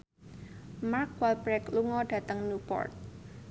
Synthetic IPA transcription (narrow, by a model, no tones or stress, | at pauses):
markwalpɾɛkluŋɔɖ̥a̤t̪əŋnupɔ̰rt̪̚